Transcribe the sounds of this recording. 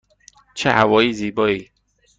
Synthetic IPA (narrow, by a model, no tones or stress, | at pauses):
t͡ʃʰehæwɒːiːziːbɔːiː